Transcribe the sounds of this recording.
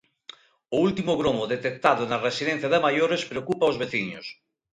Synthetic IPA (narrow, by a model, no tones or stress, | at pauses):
ʊult̪imʊɣɾomoðet̪ek̚t̪aðʊnaresiðen̟θjaðɪmajoɾespɾeokupaozβeθiɲos